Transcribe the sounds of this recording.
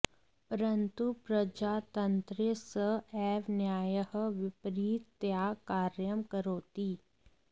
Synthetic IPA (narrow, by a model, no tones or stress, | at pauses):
pəɾənt̪upɾəd͡ʒaːt̪ənt̪ɾesəɛːʋnjaːjəhʋɪpɾiːt̪ːjaːkaːɾjəmkəɾoːt̪iː